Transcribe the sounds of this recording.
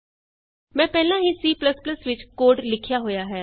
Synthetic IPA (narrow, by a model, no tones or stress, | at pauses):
mɛ̃ːpɛːlãɦisiːplɐsplɐsʋɪt͡ʃkoːɖlɪkʰjaɦojaɦɛː